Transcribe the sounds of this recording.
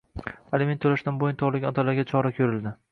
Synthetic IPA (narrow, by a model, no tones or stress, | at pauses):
alɪment̪ʰɵlaʃt̪anbojʊnt̪ʰɒlˠɪkʲɒt̪ʰalaɾɡʲat͡ʃʰɒɾakʲʰɵɾɪld̪ɪ